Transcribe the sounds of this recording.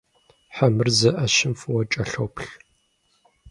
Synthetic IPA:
ħamɨrzɐʔɐʃɪmfɨwɐt͡ʃʼɐɬowpʰɬ

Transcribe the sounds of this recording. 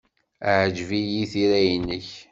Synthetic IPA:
aʕd͡ʒvijiθiɾæjənːəç

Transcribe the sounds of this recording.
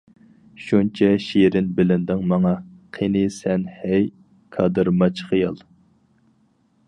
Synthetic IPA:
ʃunt͡ʃʰɛʃiɾɪnbɪlɪnd̪ɪŋmɑŋɑqʰenɪsɛnhɛj | kʰɑd̪ɨɾmɑt͡ʃʰχijɑlˠ

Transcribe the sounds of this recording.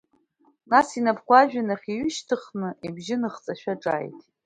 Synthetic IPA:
nasinapʰχʷaʒᶣanaχʲiɥʏʃtʰɨχnɨʔibʒɪnɨχt͡sʼaʃᶣaʈ͡ʂʼa̰ːjtʼ

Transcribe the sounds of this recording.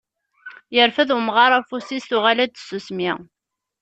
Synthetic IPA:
jəɾfæðumʁɑɾˤɑfusisθʊʁalæd̪susmi

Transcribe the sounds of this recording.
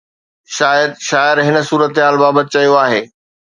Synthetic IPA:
ʃaːjəd̪̚ʃaːɪɾɦɪnə̆suːɾət̪ɦaːlbaːbət̪ɪt͡ɕɐijoaːɦeː

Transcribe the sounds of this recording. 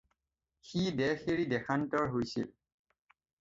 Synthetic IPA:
xidɛxeɹidɛkʰantɔɹɦojsḭl

